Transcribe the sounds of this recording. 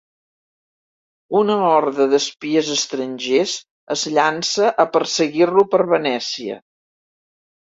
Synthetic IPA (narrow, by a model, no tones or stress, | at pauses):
unəɔɾðəðəspiəzəst̪ɾənʲʒez | əzʎansəʔəpərsəɣirlupəɾβənɛsiə̰